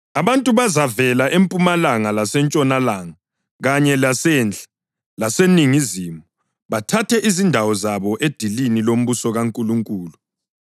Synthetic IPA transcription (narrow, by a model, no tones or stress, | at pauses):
aβantʼuβazavɛlaʔempʼumalaŋalasɛnt͡ʃʼɔnalaːŋa | ɣaɲɛlasɛːnd͡ɮʱḁ | laseniŋizimu | βatʰatʰɛʔizindʱawɔzaβɔʔed̥ʱilinilom̩βusɔɣaŋkʼuluŋkʼuːlu